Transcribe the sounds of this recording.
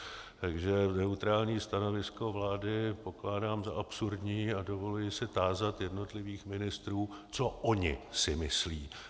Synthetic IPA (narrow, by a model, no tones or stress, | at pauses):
t̪aɡʒɛnɛut̪ɾaːlɲiːst̪ano̞vɪsko̞vlaːdɪpo̞klaːdaːmzaʔapsuɾdɲiːado̞vo̞lujɪsɪt̪aːzat̪jɛdno̞t̪lɪviːxmɪnɪst̪ɾuːt͡so̞ʔoɲɪ̰sɪmɪsliː